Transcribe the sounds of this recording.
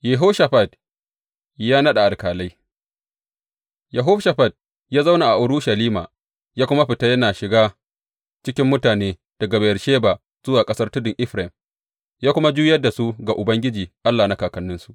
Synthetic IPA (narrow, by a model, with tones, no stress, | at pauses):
je˨ɦoː˦ʃa˨ɸa˨d | jaː˦nɐ˦ɗa˨ʔa˨lkaː˨la˦j | ja˨ɦʊ˦ɸʃa˨ɸa˨d̚ | jaː˦za˦wna˨ʔa˨ʔʊ˨ɾʊ˦ʃɐ˨liː˦ma̰ː˨ | jaː˦kʷʊ˦ma˦ɸɪ˨ta˦jɐ˦naː˨ʃɪ˨ɡaː˦ | t͡ʃɪ˦kʲɪ˦mːʊ˦taː˨neː˦ | d̥ɐ˨ɡa˨bɐ˨jɐ˨rʃeː˦baː˨ | z̥ʊ˦waː˨kʼɐ˦sɐ˦rtʊ˦dʊ˨ŋʔɪ˦ɸɾɪ˨m | jaː˦kʷʊ˦ma˦d͡ʒuː˦jɐ˦rda˨su˦ɡa˨ʔʊ˨bɐ˦ŋɡʲɪ˦d͡ʒiː˨ʔa˦lːaː˨na˦kaː˨kɐ˦nːʊ˦nsu˦ʔ